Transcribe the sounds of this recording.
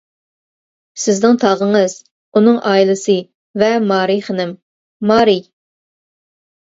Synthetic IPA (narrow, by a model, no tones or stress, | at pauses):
sɪznɪŋt̪ʰɑʁəŋɨz̥ | unɨŋʔɑːilˠɨsɨ | vɛmɑːɾijχənɪmː | ɑːɾi